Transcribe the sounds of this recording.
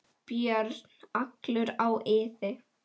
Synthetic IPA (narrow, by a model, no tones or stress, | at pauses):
pjœɾt̪n̥aklʏɾawʔɪːðɪ